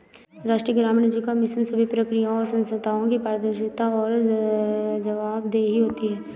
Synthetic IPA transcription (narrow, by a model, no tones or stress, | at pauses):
ɾaːʃʈɾijəɡɾaːmnəd͡ʒikamɪʃənsəbʱipɾəkɾijaɔːɾsɐ̃nst̪ʰaːõkipaːɾd̪əɾʃɪt̪aɔːɾ | d͡ʒɐʋaːbd̪eːɦiɦoːt̪iɦɛː